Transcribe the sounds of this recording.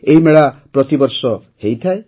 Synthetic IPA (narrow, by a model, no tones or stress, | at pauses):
eɦimeɭapɾɔt̪ibɔɾsɔ | hejt̪ʰae